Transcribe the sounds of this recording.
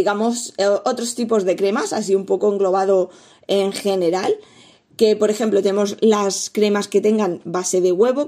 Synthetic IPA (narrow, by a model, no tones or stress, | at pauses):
iɣamo̞sʔo̞t̪ɾost̪ipo̞zðe̞kɾe̞masas̬iumpo̞koeŋɡlo̞β̞að̞o̞ | eŋxe̞ne̞ɾal | ke̞po̞ɾe̞xe̞mplot̪enemo̞zlaskɾe̞maske̞t̪e̞ŋɡanbase̞ð̞e̞ɣwe̞βo̞